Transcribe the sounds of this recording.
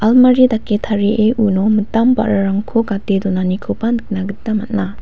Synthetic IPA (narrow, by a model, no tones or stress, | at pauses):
almaɾidaketʰaɾiʔeunɔmɯtamba̰ɾaɾaŋkʰokatedɔnanikʰopanɯk̚naɡɯtːamɐt̚na